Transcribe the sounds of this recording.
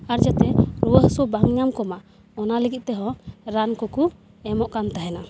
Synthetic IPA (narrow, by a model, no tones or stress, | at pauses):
aɾd͡ʒat̪ɛɾuwəɦsɔbaŋɲamkɔmaʔ | ɔnaləɡit̪̚ˀt̪ɛɦɔ̃ɾankɔku | ɛmɔʔkant̪aɦɛna